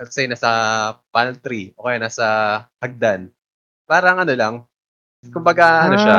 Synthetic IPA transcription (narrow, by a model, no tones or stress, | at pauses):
lksɛjnaːsɐpanlt̪ɾiʔoːkejanaːsɐhɐɡ̚d̪an | paːɾɐŋʔɐno̞lɐŋ | kʊmbɐɡaʔɐnoʃa